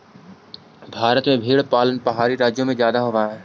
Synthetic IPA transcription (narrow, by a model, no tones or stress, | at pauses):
bʱaːɾət̪mẽbʱiːɽpaːlənpəɦaːɾiɾaːd͡ʒjõmẽzjaːd̪aɦoːʋaːɛː